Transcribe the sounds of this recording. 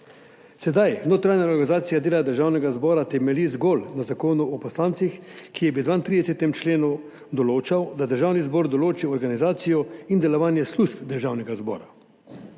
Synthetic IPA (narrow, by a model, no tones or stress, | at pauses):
sɛd̪ajnoːt̪ɾanjaɾɡanizaːt̪sijad̪eːlad̪əɾʒaːwnɛɡazbɔːɾat̪ɛmɛlizɡoːlnazakoːnuɔpɔslaːnt̪sixkijɛbid̪ʋant̪ɾid̪ɛsɛt̪ɛmt͡ʃleːnu | d̪ɔloːt͡ʃawd̪ad̪əɾʒaːwnizbɔːɾd̪ɔloːt͡ʃiɔɾɡanizaːt̪sijɔind̪ɛlɔʋaːnjɛsluʃpd̪əɾʒaːwnɛɡazbɔ̰ːɾa